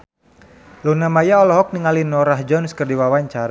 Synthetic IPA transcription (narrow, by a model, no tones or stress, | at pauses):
lunamajaɔlɔɦɔk̚niŋalinɔɾaɦd͡ʒɔnskərdiwawaɲt͡ʃaɾa